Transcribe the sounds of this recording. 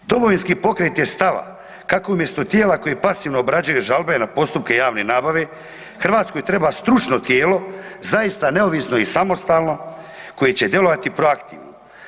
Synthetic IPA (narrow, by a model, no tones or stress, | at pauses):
d̪o̞mo̞ʋinskiːpo̞kɾet̪jest̪aʋa̰ | kako̞umje̞st̪ot̪jeːlako̞jepasiːʋnoːbɾad͡ʑujuʒalˠbenapo̞st̪upke̞jaːʋne̞naːbaʋe̞ | xr̩ʋaːt̪sko̞jt̪ɾe̞bast̪ɾut͡ʃno̞t̪jeːlo̞zajist̪ane̞oʋisno̞isamo̞st̪aːlˠno̞ | ko̞jet͡ɕe̞d̪je̞lo̞ʋat̪ipɾoakt̪ḭːʋno